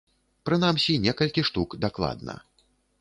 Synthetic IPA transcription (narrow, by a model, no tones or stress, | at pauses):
pɾɨnamsʲinʲɛkɐlʲkʲiʂt̪ukd̪aklˠa̰d̪̚nɐ̰